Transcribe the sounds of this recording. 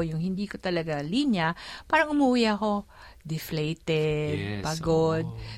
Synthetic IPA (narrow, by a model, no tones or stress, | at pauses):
jʊŋhɪnd̪iːkot̪ɐlɐɡalinjɐpaːɾɐŋʊmuʔuːjako̞ | d̪ɪflɛjt̪ɛd̪̚pɐɡod̪̚